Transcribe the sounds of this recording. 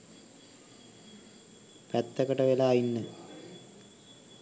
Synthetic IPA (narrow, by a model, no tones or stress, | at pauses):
pɐt̪ːɐkɐʈɐʋelaːjinːɨ